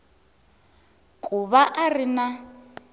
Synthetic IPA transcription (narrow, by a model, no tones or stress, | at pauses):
kʼuβaʔarina